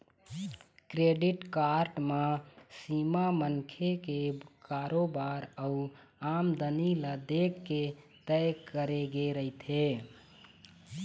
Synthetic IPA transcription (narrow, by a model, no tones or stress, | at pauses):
kɾeɖiʈkaɾʈmasimamənkʰekekaɾobaɾəu | amd̪əniləd̪ekːe | t̪əjkəɾeɡeɾəit̪ʰe